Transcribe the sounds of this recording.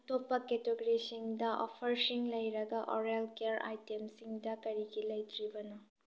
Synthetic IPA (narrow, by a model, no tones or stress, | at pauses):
ɐtopːɐketoɡɾisiŋdɐʔɔ̰pʰɐɾsiŋlɐjɾɐɡɐʔɔɾelkeɐɾa̰jtemsiŋdɐkɐɾiɡilɐjtʰɾibɐnɐ